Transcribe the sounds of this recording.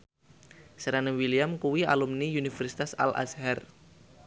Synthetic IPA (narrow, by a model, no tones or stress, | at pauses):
səɾanəwilijamkuwia̰lumniunifɛrsi̥t̪asa̰lʔa̰sɦɛr